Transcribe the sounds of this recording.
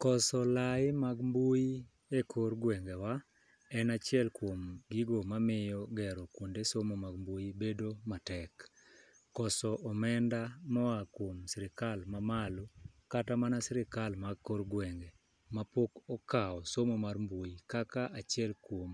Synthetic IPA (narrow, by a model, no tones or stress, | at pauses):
kɔsɔlaɪmaɡmbuji | ekʰoɾɡwɛŋɡewa | ɛnat͡ʃɪɛlkwomɡiɡomamɪjɔɡɛɾɔkwondesomomaɡmbujibedomatɛkː | ɔsɔʔɔmɛndamɔakwomsɪɾɪkalmamalukatamanasɪɾɪkalmaɡkorɡwɛŋɡe | mapokɔkaɔsomomarmbujikakaʔat͡ʃjɛlkwom